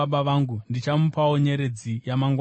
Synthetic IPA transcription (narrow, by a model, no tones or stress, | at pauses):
ɓaʋaŋɡundit͡ʃamupaoɲe̞ɾe̞d͡zijamaŋɡw